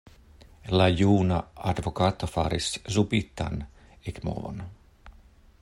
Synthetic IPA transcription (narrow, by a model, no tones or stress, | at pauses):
lajuːnaɑd̪vokɑːt̪ːofɑɾiszupit̪ːa̰n | ekmo̰vo̰n